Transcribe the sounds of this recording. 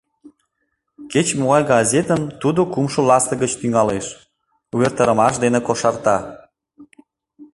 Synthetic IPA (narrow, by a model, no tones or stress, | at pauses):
ket͡ɕmoɣɑjɡɑzʲet̪ənt̪ud̪okumʃolɑst̪əɣət͡ɕt̪yŋɑleʃ | uβert̪əɾə̆mɑʃ̬d̪enekoʃɑrt̪ɑ